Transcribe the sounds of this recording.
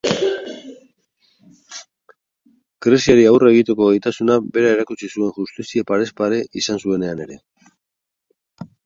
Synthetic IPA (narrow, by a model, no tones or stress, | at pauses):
kɾesiaɾiawre̞ɣ̞it̪e̞ko̞ɣejt̪asunabe̞ɾae̞ɾakut͡sisue̞ŋʝust̪isiepaɾe̞spaɾe̞ʔisansue̞ne̞ane̞ɾe̞̰